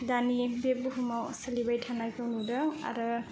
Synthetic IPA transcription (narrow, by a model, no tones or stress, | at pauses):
danibebuɦumawsalibajtʰanajkʰawnudaa̰ɾɯ